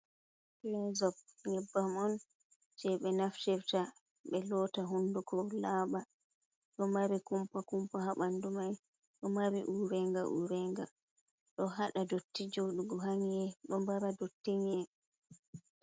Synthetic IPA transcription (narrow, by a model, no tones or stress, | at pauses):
ɾɛzɔb̚ŋɛbːamɔn | d͡ʒɛɓɛnaftɛɾta | ɓɛlɔːtaɦundukɔlaːɓa | ɗɔmaɾikumpakumpahaɓandumaj | ɗɔmaɾḭʔuɾɛŋɡa̰ʔṵɾɛŋɡa̰ | ɗɔɦaɗadotːid͡ʒɔɗuɡɔɦaŋiɛɗɔmbaɾadotːiŋɛ